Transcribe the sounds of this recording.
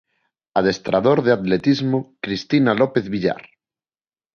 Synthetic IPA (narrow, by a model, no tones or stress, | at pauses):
aðest̪ɾaðoɾðeat̪let̪izmokɾist̪inalopeθβiʎa̰ɾ